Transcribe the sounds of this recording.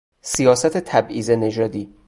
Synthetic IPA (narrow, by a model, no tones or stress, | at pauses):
sijɒːsæt̪ʰet̪ʰæbʔiːzene̞d͡ʒɒːd̪iː